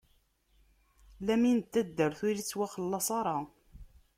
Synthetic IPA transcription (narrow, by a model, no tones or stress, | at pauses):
læminət̪ːæd̪ːəɾθʊɾit͡sːwæχəlːɑsˤɑɾˤɑ